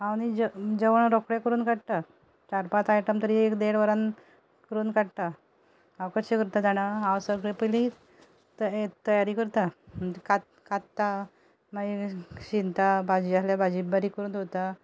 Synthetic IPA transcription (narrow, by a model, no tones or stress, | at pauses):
aɽ̃iəd͡ʑəʋəɳɾɔkɽekəɾuːnkaɽt̪a | t͡ɕaɾpat̪ajʈəmt̪əɾiekd̪eɽʋəɾan | kəɾuːnkaɽt̪a | awkəɾɕekəɾt̪ad̪aɽ̃aɦãwsəɡɭepəjlĩ | t̪əet̪əjaɾiːkəɾt̪amd͡ʑekat̪̚ | kat̪ːt̪ːa | maɕint̪abad͡ʑiasljabad͡ʑibaɾiːkəɾuːnot̪a